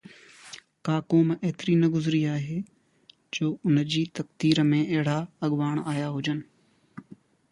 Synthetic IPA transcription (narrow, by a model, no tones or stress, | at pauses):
kaːkoːmeɦɪt̪ɪɾinɐɡʊzɾiaːɦeː | d͡ʑoːʊnəd͡ʑiːt̪ɐkd̪iːɾəmẽɐɦɪɽaɐɠʋaːɽ̃aːjaɦʊd͡ʑənɪ̆